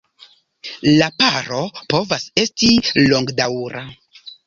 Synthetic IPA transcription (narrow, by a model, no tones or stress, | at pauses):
lapaɾo̞po̞vase̞stilo̞ŋɡdawɾa